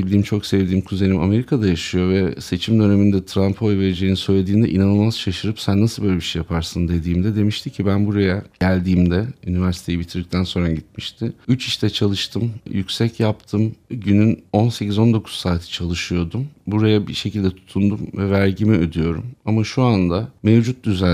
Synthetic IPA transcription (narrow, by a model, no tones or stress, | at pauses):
d̪ʲiːmt͡ʃʰo̞ksɛvd̪iːmkʰuze̞nʲimʔa̰me̞ɾikʰad̪ajaʃɯjo̞vɛse̞t͡ʃʰimd̪øne̞mind̪ɛt̪ʰɾampʰho̞jve̞ɾid͡ʒejinisø̞jlʲe̞d̪iːnd̪ɛ̰ʔinanɯlˠmazʃaʃɯɾɯpsænːasɯbøjlʲɛbiʃejapʰaɾsɯnd̪e̞d̪iːmd̪ɛd̪e̞miʃt̪ʰicʰibænbuɾajaɟælʲd̪iːmd̪ɛynivæɾsi̥t̪ʰeibit̪ʰiɾik̚t̪ʰænso̞nɾaɟit̪̚miʃt̪ʰɪyt͡ʃiʃt̪ʰɛt͡ʃʰalˠɯʃt̪ʰɯmjycʲsɛcʰjap̚t̪ʰɯmɟynyno̞nsecizo̞nd̪o̞kʰu̥ssaːt̪ʰi̥t͡ʃʰalˠɯʃɯjo̞d̪umbuɾajabḭʃe̞cʰilʲd̪ɛt̪ʰu̥t̪ʰund̪umvɛvæɾɟimiød̪yjo̞ɾṵmamaʃuand̪amevd͡ʒut̪̚d̪yzæ